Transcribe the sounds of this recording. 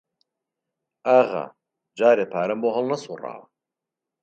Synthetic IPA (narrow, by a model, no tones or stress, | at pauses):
aːɣɐ̰ | d͡ʒaːɾeːpʰaːɾɐmboɦɐlˠnɐsura̰ːwɐ